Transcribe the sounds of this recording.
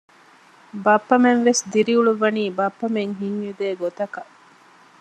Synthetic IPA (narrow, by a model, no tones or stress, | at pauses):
bɐpːɐmenʋesd̪iɾiuɭuʋɐniːbɐpːɐmeŋɦiɲjud̪eːɡot̪ɐkɐ